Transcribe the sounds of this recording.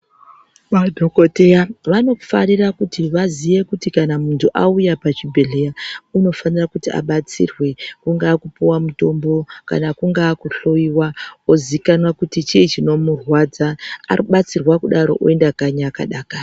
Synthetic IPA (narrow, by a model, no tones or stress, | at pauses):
ʋadʱoko̞tejaʋano̞farirakutiʋaziʋe̞kutikanamuntʰuʔaujapat͡ʃibʱe̞ɮejauno̞fanirakutiʔa̰ɓat͡sḭrwe̞kuŋɡaːkupuwamuto̞mbo̞ka̰nakuŋɡaːkuɬo̞iwaozikanwakutit͡ʃiːt͡ʃino̞murwad͡za̰ːriɓat͡sirwakuɗaɾo̞̰ʔo̰e̞ndakaɲaka̰ɗaːka